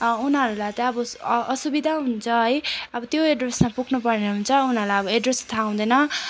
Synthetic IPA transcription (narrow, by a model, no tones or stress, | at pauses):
unɦʌɾulajt̪ʌʌbʌːsubid̪ʱaɦunt͡sʰʌɦʌjʌbʌt̪joeɖresmapuknupʌrneɦunt͡sʰʌunɦʌɾulajʌbʌeɖrest̪ʰaw̃d̪ʌnʌ